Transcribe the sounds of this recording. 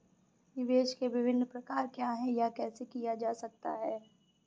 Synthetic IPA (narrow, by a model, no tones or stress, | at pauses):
nɪʋeːʃkeʋɪʋʱɪnːpɾɐkaːɾkjaːɦɛjakɛːsekijad͡ʒaːsɐk̚t̪a̰ɦɛː